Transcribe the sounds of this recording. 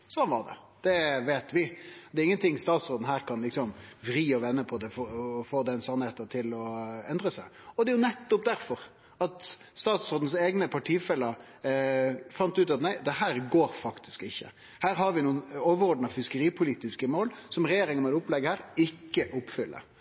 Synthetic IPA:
sɔnʋɑɾd̪ɛ̰ | d̪̥ɛʋeːt̪ʋɪd̪ɛːɾɪŋːənt̪ʰɪŋːst̪ɑːt̪sɾoːd̪n̩hæːɾkɑnlɪksɔmʋɾiːɔʋɛnːəpʰɔd̪ɛfɔfoːd̪ɛnsɑnheːt̪ət̪ʰɪlɔɛnd̪ɾəsæɪɔd̪ɛɾjʊnɛt̪ːʊp̚d̪æɾfɔɾ | ɑt̪ | st̪ɑːt̪sɾoːd̪n̩seːɡnəpʰɑʈʰiːfɛlːəɾ | fɑnt̪ʉːt̪ɑt̪næɪd̪ɛɦæːɾɡoːɾfɑkt̪ʰɪ̥skɪçːə̰ | hæːɾhɑɾʋɪnuːənoːʋəɾɔɖnɑfɪskəɾiːpʰʊliːt̪ɪskəmoːlsɔmɾɛjeːɾɪŋəmɛt̪ʊplɛɡːəhæːɾɪkːəʔʊpːfʏlːə̰ɾ

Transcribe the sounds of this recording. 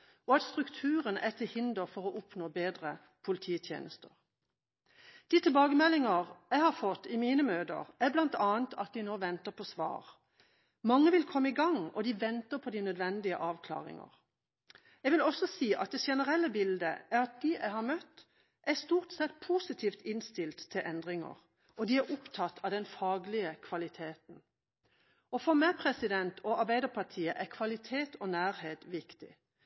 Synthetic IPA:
ɔɑt̪st̪ʁʉkt̪ʰʉːʁənʔɛt̪ʰɪlhɪnd̪əʁfɔʁɔʔʊpnoːbeːd̪ʁə | pʰʊlɪt̪ʰiːt̪ʰjḛːnəst̪əʁ | d̪̥ɪt̪ʰɪlbɑːɡəmɛlːɪŋəʁæɪhɑɾfɔt̪ːɪmiːnəmøːd̪ə̰ʁæblɑnt̪ɑːənt̪ʰɑt̪̚d̪ɪnoːʋɛnt̪əpʰɔsʋɑ̰ːʁ | mɑŋːəʋɪlkʰɔmːəɪɡɑŋɔ̰d̪ɪʋɛnt̪əpʰɔd̪ɪnœd̪ʋɛnd̪ɪə̰ʔɑːʋkʰlɑ̰ːʁɪ̰ŋə̰ʁ | jɛɡʋɪlɔsɔsiːʔɑ̰t̪̚d̪ɛʃɛnəʁɛlːəbɪld̪ə̰ʔæɾɑt̪̚d̪iʔæɪhɑɾmœt̪ː | ʔæst̪uːʁt̪sɛt̪pʰuːsɪt̪ʰiːft̪ʰɪnst̪ɪlt̪ʰːɪlʔɛnd̪ʁɪŋə̰ʁ | ʔɔd̪ɪæɾʔʊpt̪ʰɑt̪ʰːɑːʋd̪ɛnfɑːɡlɪəkʰʋɑlɪt̪ʰeːt̪n̩ | ɔfɔɾmæpʰʁɛsɪd̪ɛnt̪ʰɔɑɾbæɪd̪əpʰɑʁt̪ʰiːəʔækʰʋɑlɪt̪ʰeːt̪ʰɔnæːɾheːt̪ʋɪkt̪ɪ̰

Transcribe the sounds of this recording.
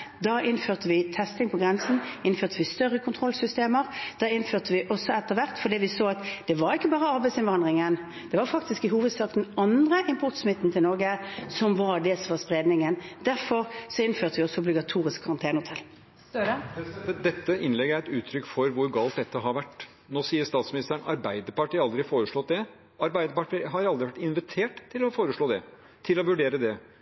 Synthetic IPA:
d̪ɑːʔɪnføːʁt̪əʋɪt̪ʰɛst̪ɪŋpʰɔɡʁɛnsn̩ɪnføːʁt̪əʋɪst̪œrːəkʰʊnt̪ʰʁɔlsʏst̪eːməɾd̪̥ɑːɪnføːt̪əʋɪʔɔsːɔɛt̪ːəʋæʁt̪fɔɖiːʋɪsoːɑt̪d̪̥ɛʋɑɾɪkːəbɑːʁəɑɾbæɪsɪnʋɑnd̪ʁɪŋən | d̪̥ɛʋɑɾfɑk̚t̪ɪskɪɦuːʋəd̪sɑːkd̪ɛnɑnd̪ʁəʔɪmpʰʊʁt̪smɪt̪ːn̩t̪ʰɪlnɔɾɡəsɔmʋɑɖ̪ɛsɔmʋɑspʁeːd̪nɪŋənd̪æɾfɔɾsɔɪnføːʁt̪əʋɪɔsːɔʊblɪɡɑt̪ʰuːʁɪskʰːɑʁɑnt̪ʰeːnəhʊt̪ʰɛlː | d̪ɛt̪ːəʔɪnlɛɡːəæɾɛt̪ʉːt̪ʰɾʏkːfɔɾʋʊɾɡɑːlt̪̚d̪ɛt̪ːəɦɑɾʋæʈː | noːsiːəst̪ɑːt̪smɪnɪst̪əəɳɑ̰ɾbæɪd̪əpɑʈiːɑld̪ɾɪfoːɾəʂɭɔt̪̚d̪ɛ | ɑɾbæɪd̪əpɑʈɪɦɑɾɑld̪ɾɪʋæʈːɪnʋɪt̪ʰeːʈt̪ʰːɪlɔfoːɾəʂɭoːd̪ɛ | t̪ʰɪlɔʋʉɖeːɾəd̪ɛ

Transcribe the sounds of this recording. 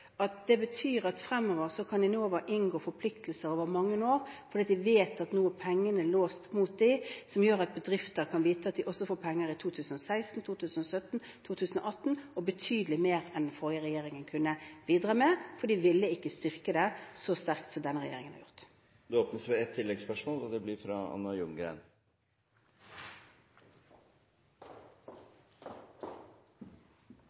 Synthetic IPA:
ɑt̪̚d̪ɛbət̪ʰyːɾɑt̪fɾɛmːɔːʋəɾsɔkʰɑnd̪ɪnoːʋəɾʔɪnɡoːfɔɾpʰlɪkt̪lsəɾoːʋəɾmɑŋːənoːʁfɔɾd̪iːɑt̪d̪ɪʋeːt̪ɑt̪nuːəpʰɛŋːənəloːst̪muːt̪̚d̪ɪsɔmjøːɾɑt̪̚bəd̪ɾɪft̪əɾkʰɑnʋiːt̪əɑt̪̚d̪ɪʔɔsːɔfoːpʰɛŋːəɾɪt̪ʰuːt̪ʰʉːsən̩ɔsæɪst̪n̩t̪ʰuːt̪ʰʉːsənɔsœt̪n̩ | t̪ʰuːt̪ʰʉːsən̩ɔ̰ʔɑt̪ːn̩ɔbət̪ʰyːd̪əlɪmeːɾɛnfɔɾjəʁɛjeːɾɪŋənkʰʉnːəʋiːd̪ʁɑːmɛfɔd̪iːʋɪlːəɪkːəst̪ʏʁkəd̪ɛsɔst̪æʁkt̪sɔmd̪ɛnəʁɛjḛːɾɪŋənhɑ̰ʁjʊʁt̪ | d̪ʉoːpnəsʋɛɛt̪ʰːɪlːɛɡspœʂmoːlɔd̪ɛblɪɾfɾɑ̰ɑ̰nːɑjʊŋɡɾæ̰ɪn

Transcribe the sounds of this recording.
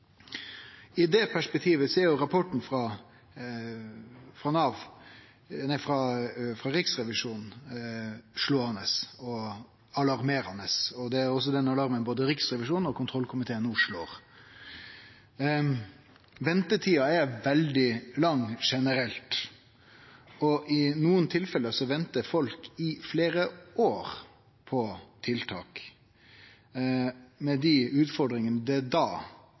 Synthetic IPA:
ɪd̪ɛpʰæʂpɛk̚t̪ʰiːʋəsɔɛɾjʊɾɑpʰɔʈɳ̩fɾɑː | fɾɑnɑːʋ | næɪfɾɑfɾɑɾɪksɾɛʋɪʂuːnn̩ | ʂloːhɑnəsɔ | ɑlɑɾmeːɾɑnəsɔd̪ɛæɾɔs̬ːɔd̪ɛnɑlɑɾmənboːd̪əɾɪksɾɛʋɪʂuːnɔkʰʊnt̪ʰɾɔlkʰʊmɪt̪ʰeːənuːʂloːʁ | ʋɛnt̪ət̪ʰiːɑæɾʋɛld̪ɪlɑŋʂɛnəɾɛlt̪ | ɔʔɪnuːənt̪ʰɪlfɛləsɔʋɛnt̪əɾfɔlkɪfleːɾəʔoːɾ | pʰɔt̪ʰɪlt̪ʰɑ̰ːk | mɛd̪ɪʉːt̪fɔɾd̪ɾɪŋənəd̪ɛd̪ɑː

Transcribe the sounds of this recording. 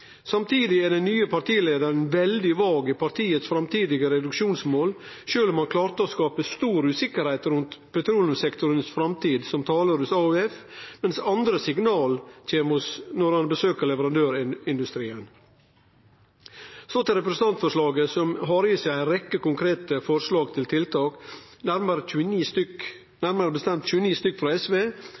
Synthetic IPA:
sɑmt̪ʰiːd̪ɪæɖɛnyːəpʰɑʈiːleːd̪əɳ̩ʋɛld̪ɪʋɑːɡəpʰɑɾʈ̪ʰiːət̪sfɾɑmt̪ʰiːd̪ɪɡəɾɛd̪ʉkʂuːnsmoːl | ʃøːlɔmɑnkʰlɑːɾt̪əɔskɑːpəst̪uːɾʉːsɪkːəɾhɛɪt̪ɾʉnt̪pʰɛt̪ʰɾuːlən̩sɛkt̪ʊɾənsfɾɑmt̪ʰiːd̪sɔmt̪ʰɑːləɾʉsɑʉɛfmɛnsɑnd̪ɾəsɪɡnɑːlt̪ʰeːmʊsnɔɾɑnbəsøːkəɾɭɛʋəɾɑnd̪øːɾɪɪnd̪ʉst̪ɾiːən | soːt̪ɪɾɛpɾɛsət̪ɑnt̪fɔʂlɑːɡəsɔmɦɑɾəsæɪæɪɾɛkːəkʊŋkʰɾeːt̪əfɔɾʂlɑːɡt̪ʰɪlt̪ʰɪlt̪ʰɑːknæɾməɾəʉːəniːst̪ʏk | næɾməɾəbəst̪ɛmt̪c͡çʉːəniːst̪ʏkːfɾɑːɛsʋeː

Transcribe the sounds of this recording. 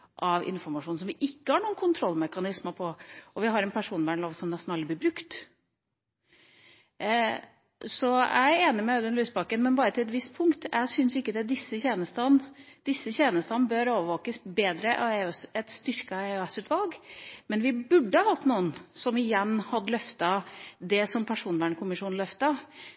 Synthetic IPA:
ʔɑʋɪ̰nfɔɾmɑʂuːnsɔmʋɪʔɪkːəhɑɳuːənkʰʊnt̪ʰɾɔlːmɛkɑnɪsməpʰɔɔʋɪɦɑɾɛnpʰæʂuːnbæːɳloːʋsɔmnɛst̪nɑld̪əblɪɾbɾʉkt̪ | sɔæ̰ɪeːnəmɛʉd̪ɛnlyːspɑkənmɛnbɑːɾət̪ʰɪlɛt̪ʋɪst̪pʰʊŋkt̪æ̰ɪsʏnsɪkːəd̪ɛd̪ɪsːəçeːnəst̪ən | d̪̥ɪsːəçeːnəst̪ɑnbøɾoːʋəʋoːkəsbeːd̪ɾəʔɑɛsɛt̪st̪ʏɾkɑɛɛsʉːt̪ʋɑlɡmɛnʋɪbʉɖːəhɑhɑt̪ːnuːənsɔmɪjɛnːhɑd̪ːəlœft̪ɑd̪ɛsɔmpʰæʂuːnʋæːɳkʰʊmɪʂuːnlœft̪ɑ

